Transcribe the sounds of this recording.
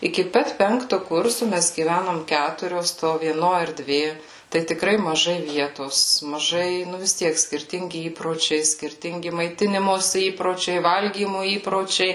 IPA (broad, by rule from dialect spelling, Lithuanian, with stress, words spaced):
ɪkʲɪ ˈpɐt ˈpʲɛŋktʊ ˈkʊrsʊ ˈmʲɛs ɡʲiːˈʋʲænoːm ˈkʲætʊrʲoːs toː ʋʲiɛˈnoː ɛrʲˈdʲʋʲeː tɐɪ tʲɪkˈrɐɪ mɐˈʒɐɪ ˈʋʲiɛtoːs mɐˈʒɐɪ ˈnʊ ʋʲɪs ˈtʲiɛk sʲkʲɪrʲˈtʲɪŋʲɡʲɪ ˈiːproːt͡ʃʲɛɪ sʲkʲɪrʲˈtʲɪŋʲɡʲɪ mɐɪˈtʲɪnʲɪmoːsʲɪ ˈiːproːt͡ʃʲɛɪ ˈʋɐlʲɡʲiːmʊ ˈiːproːt͡ʃʲɛɪ